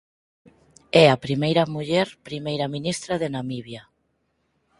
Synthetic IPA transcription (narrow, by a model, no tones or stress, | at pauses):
ɛapɾimejɾɐmuʎɛɾpɾimejɾaminist̪ɾaðenamiβja